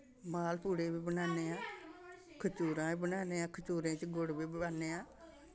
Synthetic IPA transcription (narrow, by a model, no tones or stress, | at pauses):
maːlpuːɽeːbiːbənaːneːãː | kʰət͡ʃuːɾãːiːbənaːneːãːkʰət͡ʃuːɾẽːt͡ʃɡʊɽbiːbaːneːãː